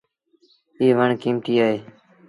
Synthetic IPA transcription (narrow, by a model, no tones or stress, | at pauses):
iːʋəɳkiːmt̪iːaːɦeː